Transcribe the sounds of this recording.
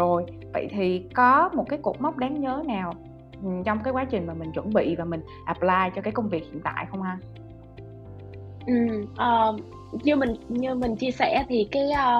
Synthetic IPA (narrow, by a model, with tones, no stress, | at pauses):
zo˨˩j | və̰˧˨jt̪ʰi˨˩kɔ˨˦mo˨˩t̚kaː˨˦jkṵ˨˩ək͡p̚ma˦˥wk͡p̚ɗaː˨˦ŋɲəː˨˦naː˨˩w | ʔt͡ɕɔ˧wŋ͡mkaː˨˦jkwaː˨˦t͡ɕï˨˩ŋ̟maː˨˩mï˨˩ŋ̟t͡ɕwə̰˧˩nɓḭ˧˨vaː˨˩mï˨˩ŋ̟ʔa˨˩p̚laː˧jt͡ɕɔ˧kaː˨˦jkə˧wŋ͡mvi˨˩ək̚hḭ˧˨ənt̪a̰ː˧˨jxə˧wŋ͡mhaː˧ | ʔɨ˨˩mʔəː˨˩ | ɲɨ˧mï˨˩ŋɲɨ˧mï˨˩ŋ̟t͡ɕi˧əsɛ̰˧˩t̪ʰi˨˩kaː˨˦jʔə˧